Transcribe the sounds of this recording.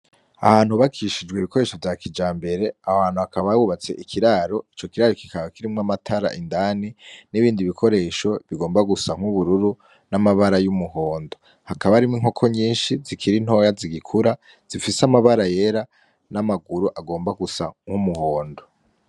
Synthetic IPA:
a̰haːn̥huβakʰiʃid͡ʒɡweiβiko̞ɾe̞ːʃo̞vjaːkʰid͡ʒaːmbe̞ɾe̞ahaːn̥uakaβawuβat͡se̞̰ʔikʰiɾaɾo̞it͡ʃo̞kiɾaɾoki̥kʰaɡakiɾimŋamatʰaɾa̰ʔindaːniniβiːndiβikʰo̞ɾe̞ːʃo̞βiɡo̞ːmbaɡusaŋ̥huβuɾuɾu | namaβaɾajumuɦo̞ːndo̞ | hakaβaɾimwiŋ̥o̞kʰo̞ɲiːnʃizikʰiɾin̥ɦo̞jaziɡikʰuɾa | z̥ifisamaβaɾaje̞ɾa | namaɡuɾuʔaɡo̞ːmbaɡusaŋ̥humuhoːndo

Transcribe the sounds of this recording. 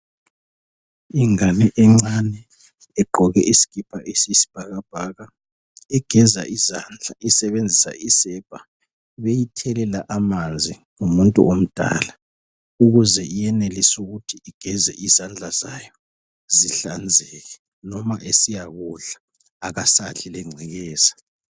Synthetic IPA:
iŋanɛʔɛŋ͡ǀanɛː | ɡ͡ǃʱɔɣɛʔisi̥ɣ̥ipʰaʔesisi̥b̥ʱaɣab̥ʱaɣa | ɛɡ̥ʱɛzaʔizand͡ɮʱaisɛβend͡zʱisa̰isɛb̥ʱʼa | βejitʰɛlɛlaʔamand͡zʱi | ŋumuntʼṵʔom̩d̥ʱa̰ːla | uɣuzɛʔijɛnelisuɣutʰiiɡ̥ʱɛzɛ̰ʔizand͡ɮʱaz̥ajɔ | ziɬand͡zʱɛɣɛ | nɔmaʔesijaɣuɮaː | ɣasaɬilɛŋ͡ǀʱɛɣɛːzḁ

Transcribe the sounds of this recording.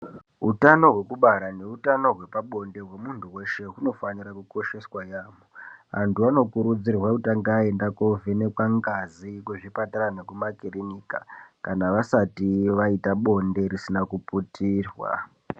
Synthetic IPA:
ɦutano̞ɦwe̞kuɓaɾane̞utano̞ɦwe̞paɓo̞nde̞ɦwe̞muntʰuwe̞ʃe̞ɦuno̞fanirakuko̞ʃe̞swajaːmoa̰ntʰuano̞kuɾud͡zirwautaŋɡae̞ndakovene̞kwaŋɡazikuʐipataɾanekumakirenikakanaʋasatiʋaitaɓo̞nde̞risinakuputiːrwa̰

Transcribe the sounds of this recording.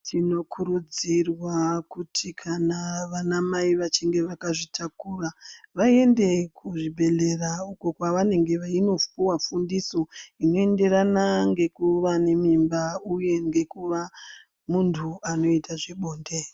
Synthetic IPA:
tʰino̞kʰuɾud͡zirwakutʰikʰanaʋanamaiʋat͡ʃiŋɡe̞ʋakaʐitʰakuraʋae̞nde̞kʰuʐibʱe̞le̞rauko̞kwaʋane̞ŋɡe̞ʋaino̞fuwafundiso̞ino̞e̞nde̞ɾanaŋɡe̞kuʋane̞mimbauje̞ŋɡe̞kuʋa | muntʰuano̞itaʐe̞ɓoːnde

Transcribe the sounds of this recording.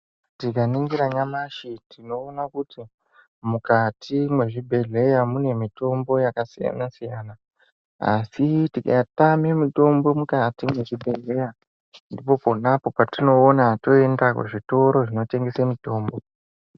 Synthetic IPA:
tikaniŋɡiɾaɲamaʃitʰino̞ːnakuti | mukatimwe̞ʐibʱe̞ɮe̞jamune̞mito̞mbo̞jakasija̰nasijaːna | a̰sitika̰tamemito̞mbo̞mukatimwe̞ʐibʱeɮe̞ja | ndipo̞po̞napo̞patino̞ːnato̞e̞ndakṵʐito̞ɾo̞ʐino̞te̞ŋɡesemito̞ːmbo̞

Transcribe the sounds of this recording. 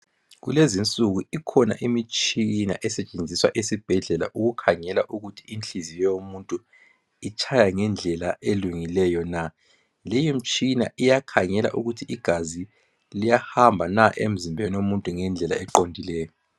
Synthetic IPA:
ɣulezint͡sʼuɣuikʰɔna̰ʔimit͡ʃʼina̰ʔɛsɛt͡ʃʼend͡zʱiswa̰ʔesib̥ʱɛɮɛla̰ʔuɣukʰaŋɛlaʔuɣutʰiint͡ɬizijɛjomuntʼu | it͡ʃʼʰajaŋɛnd͡ɮʱɛlaʔeluŋilɛjɔna | lejim̩t͡ʃʼina̰ijakʰaŋɛla̰ʔuɣutʰiiɡ̥ʱazi | lijahambʱanaʔḛm̩zimbʱenomuntʼuŋɛnd͡ɮʱɛla̰ɛǃondʱilɛːjɔ

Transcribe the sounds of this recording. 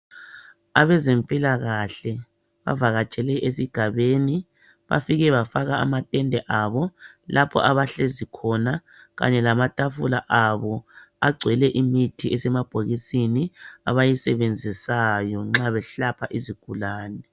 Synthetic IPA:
aβɛzempʼilaɣaɬɛ | βa̰vaɣat͡ʃʼɛlɛʔesiɡ̥ʱaβeːni | βa̰fiɣɛβafaɣaa̰matʼɛndʱɛʔaβɔlʔapʰɔ̰ʔaβaɬezikʰɔna | ɣa̰ɲɛlamatʼafula̰ʔaβɔaɡ͡ǀʱwɛlɛʔimitʰiɛsɛmab̥ʱoɣisinia̰βajisɛβend͡zʱisajɔŋ͡ǁaβɛɬapʰaʔiziɡ̥ʱulaːnɛ

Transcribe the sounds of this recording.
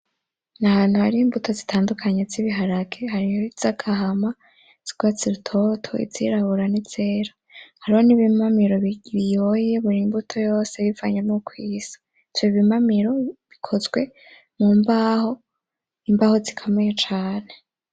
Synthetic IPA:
nahaːn̥huhaɾiːmbutʰo̞zitʰaːndukʰaɲeziβiɦaɾakehaɾijoiz̥akʰaɦama | z̥iɡ̥wat͡siɾutʰo̞tʰo̞̰ḭziɾaβuɾanize̞ːɾḁ | haɾihoniβimamiɾo̞ββijoje̞βuɾimbutʰo̞jo̞ːse̞βivaɲanukʰwiːz̥ḁ | twiβimamiɾo̞βikʰo̞zɡwe̞ | muːmbaho̞ | imbaːho̞zikʰameet͡ʃaːne̞

